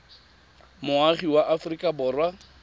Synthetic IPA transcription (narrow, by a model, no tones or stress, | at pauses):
mʊaχiwaʔafrikʼabʊːrwa